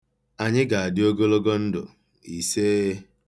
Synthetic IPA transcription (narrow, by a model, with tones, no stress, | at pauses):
a˨ɲɪ˦ɡa˨a˨dɪ˦o˦ɡo˦lo˦ɡo˦n̩˦dʊ̰˨ | i˨se˦